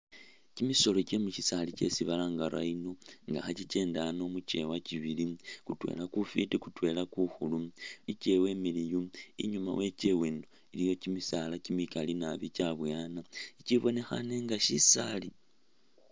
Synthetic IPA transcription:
cimiso̞locemut͡ʃisalit͡ʃe̞̰siβalaːŋɡaɾa̰ino̞ŋɡa̰xat͡ʃit͡ʃe̞ːndano̞mut͡ʃe̞waciβilikutwe̞̰lakufitikutwe̞lakuxuluice̞we̞milijuḭɲuma̰we̞ce̞weːndo | ilijo̞cimisalacimikalinaβit͡ʃaβwjanaiciβo̞ne̞xa̰neŋɡaʃisali

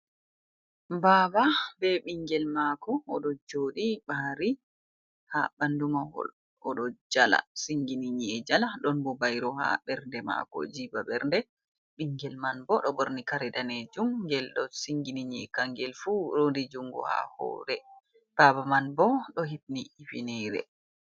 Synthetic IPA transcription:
baːbabɛɓiŋɡɛlmakɔːɗɔd͡ʒoːɗibahɾi | ha̰bandumahɔ̰l | ɔɗɔd͡ʒala̰siŋɡiniɲiɛd͡ʒalaɗɔnbɔbajɾɔha̰bɛɾndɛma̰kɔ̰d͡ʒibabɛɾndɛ | ɓiŋɡɛlmanbɔɗɔboɾnikaɾɛdaned͡ʒumɡɛlɗɔsiŋɡiniɲiɛkaŋɡɛlfuɾondid͡ʒuŋɡɔ̰ha̰hɔ̰ːɾɛ | b̥abamanbɔɗɔɦit̚niifinɛɾɛ̰

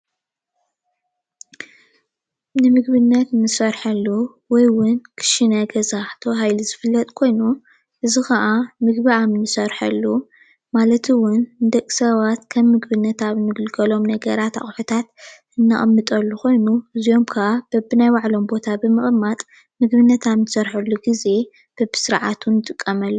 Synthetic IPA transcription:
nɨmɨɡbɨnːɐt̪nɨsɐɾħɐlːu | wɔjwʊnkʰɨ̥ʃinɐɡɐzaħt̪ʰoɦajlizɨfɨlːɐt̪ʼkʰo̞jnu | ʔɨzixɐʔamɨɡbiamnɨsɐɾħɐlːu | malɐt̪ʰɨwʊnnd̪ɐkʼsɐβat̪kʰɐmːɨɡbɨnːɐt̪ʰaβɨnɨɡɨlɡɐlo̞mnɐɡɐɾat̪a̰χʼħut̪ʰat̪ | ɨnːaχʼɐmːɨt̪ʼɐlːukʰo̞jnuʔɨzijo̞mkʰɐʔab̥ɐbɨnajwaʕlo̞mbo̞t̪ʰabɨmɨχʼɨmːat̪ʼ | mɨɡβɨnːɐt̪ʰaβnɨsɐɾħɐlːuɡize̞ | b̥ɐbɨ̥sɨɾʕa̰t̪ʰunɨt̪ʼɨkʼːɐmɐlːu

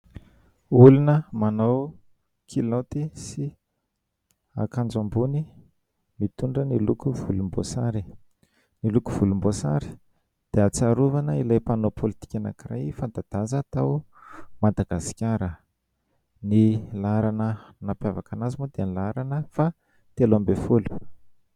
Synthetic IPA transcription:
ulunəmanow | kʰilot̪isi | a̰kand͡ʒambuni | mit̪uɳɖ͡ʐənilukuv̥ulumbo̰sa̰ɾi | nilukuv̥ulumbosa̰ɾi̥ | d̪̥eat͡saɾuvanəilajpanopʰolit̪i̥kʲana̰kira̰jfand̪ad̪̥azət̪aw | mad̪aɡasi̥kʲaɾə | nilaɾanənapjavakanazimod̪enilaɾanəfa | t̪elambefulu̥

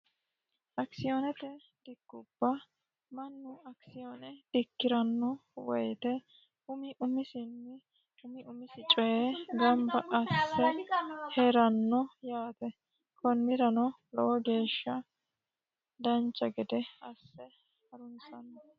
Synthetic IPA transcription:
ʔɐksɪjonɛt̪ɛ | d̪̥ɪkːʊb̥ːɐ | mɐnːʊɐksɪjoːnɛd̪̥ɪkːɪɾɐnːɔwɔjt̪ɛ | ʊmɪʔʊmɪsɪnːɪ | hʊmɪʔʊmɪsɪt͡ʃʼɔjeɡɐmbɐʔɐsːɛhɛɾɐnːɔjaːt̪ɛ | kɔnmɪɾɐnɔ | lɔ̰ʔɔɡe̞ːʃːɐ | d̪ɐnt͡ʃːɐɡɛd̪ɛɐsːɛ | hɐɾʊnsɐnːɔ

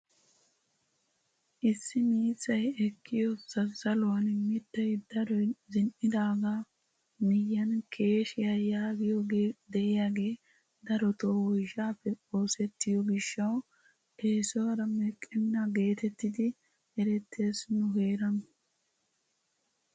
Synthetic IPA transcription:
ʔɪsːɪmiːt͡sːɐjɛkʰːɪjɔsɐzɐlʊwɐnmɪd̪ːɐjd̪ɐɾɔjzɪnʔɪd̪aːɡaː | mɪjːɐnkʰe̞ːʃɪjajaːɡɪjoɡed̪ɛʔɪjaːɡe̞ː | d̪ɐɾɔt̪oːwɔjʃaːfːɛo̞ːsɛt̪ːɪjɔɡɪʃːɐw | ʔeːsɔwɐɾɐmɛkʼːɪnːɐɡe̞ːt̪ɛt̪ːɪd̪ɪ | ɛɾɛt̪ːe̞ːsnʊɦe̞ːɾɐn

